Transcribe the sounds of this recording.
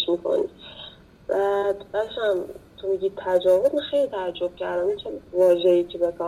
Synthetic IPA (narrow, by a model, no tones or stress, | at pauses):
ʃmikʰo̰nḭd̪ | b̥æd̪bæʃæmt̪ʰomiɟiːt̪ʰæd͡ʒɒːvozmaxejlit̪ʰææd͡ʒːob̥̚cʰæɾd̪æmit͡ʃʰænvɒːʒeiːcʰebekʰɒ